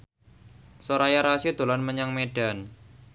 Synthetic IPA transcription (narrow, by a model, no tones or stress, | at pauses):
soɾajaɾasid̪̥o̤lanməɲaŋmeɖ̥an